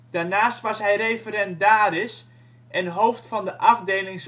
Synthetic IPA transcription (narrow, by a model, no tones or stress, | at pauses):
d̥arnaːstʋɑsɦɛjrejfəɾɛnt̚daːɾɪs | ʔɛnɦowftfɑndəʔɑfdeːlɪŋs